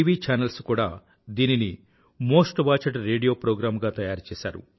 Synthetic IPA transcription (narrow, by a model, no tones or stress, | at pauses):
iʋiːt͡ʃaːnɐlskuːɽaː | d̪iːnini | mo̞ːsʈʋaːt͡ʃɐʈɾeːɖijoːpɾoːɡɾaːmɡaːt̪ɐjaːɾt͡ʃɛːsa̰ːɾṵ